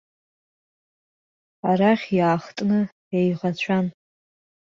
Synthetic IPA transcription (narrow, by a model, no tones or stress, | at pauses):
aɾaχʲjaːχtʼnɨ | jajʁat͡ɕʷʰan